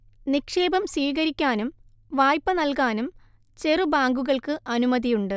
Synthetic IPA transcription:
nikʂe̞ːbɐmsiːɣɐɾikʲːaːnum | ʋaːjpːɐnɐlkaːnum | t͡ɕe̞rubaːŋɡuɣɐɭkɨʔɐnumɐðijuɳɖɨ

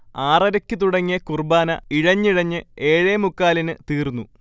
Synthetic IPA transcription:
aːrɐɾɐkʲːɨt̪uɽɐŋːiɐkurbaːnɐiɻɐɲːiɻɐɲːɨeːɻeːmukːaːlinɨt̪iːrnːu

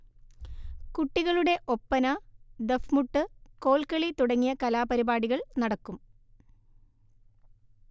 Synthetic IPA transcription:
kuʈːiɣɐɭuɽe̞ʔo̞pːɐnɐd̪efmuʈːɨko̞ːlkɐɭit̪uɽɐŋːijɐkɐlaːpɐɾibaːɽiɣɐɭnɐɽɐkːum

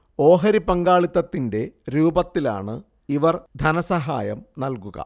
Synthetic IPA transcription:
o̞ːɦɐɾipɐŋɡaːɭit̪ːɐt̪ːinde̞ɾuːbɐt̪ːila̰ːɳɨ | iʋɐrd̪ʱɐnɐsɐɦa̰ːjɐmnɐlkuɣɐ̰

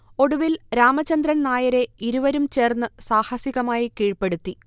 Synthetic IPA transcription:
o̞ɽuʋilɾaːmɐt͡ɕɐnd̪rɐnnaːjɐɾe̞iɾuʋɐɾumt͡ɕe̞ːrnːɨsaːhɐsiɣɐmaːjikiːɻpe̞ɽut̪ːi

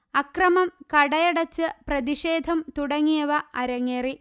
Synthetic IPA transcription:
ɐkrɐmɐmkɐɽɐjɐɽɐt͡ɕːɨprɐðiʂeːd̪ʱɐmt̪uɽɐŋːijɐʋɐʔɐɾɐŋːeːri

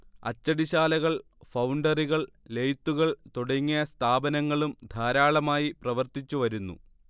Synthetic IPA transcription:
ɐ̰t͡ɕːɐɽiɕaːlɐɣɐɭ | fɐwɳɖɐriɣɐɭ | lejt̪ːuɣɐɭt̪oɽɐŋːijɐst̪ʰaːbɐnɐŋːɐɭumd̪ʱaːɾaːɭɐmaːjiprɐʋɐrt̪it͡ɕːuʋɐɾunːṵ

